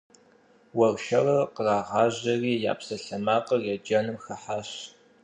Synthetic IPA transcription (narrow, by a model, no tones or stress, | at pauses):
wɐwʃɐrɐqəraːʁɑːʑɐriːja̰ːpsɐɬɐmaːqərɛd͡ʒɐnɨmxɐħaːɕ